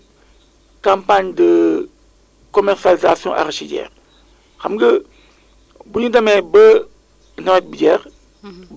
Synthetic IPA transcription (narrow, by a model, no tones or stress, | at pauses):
kãmpaɲdə | kɔmɛɾsalizasjɔ̃ʔa̰ɾʃiɟɛ̰ːɾ | xɐmɡə | buɲudɐmɛbə | nɐwɛt̚bəɟɛːɾ